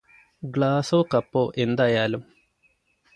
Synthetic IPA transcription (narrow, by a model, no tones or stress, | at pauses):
ɡɭaːsoːkɐpːoːʔe̞nd̪aːjaːlum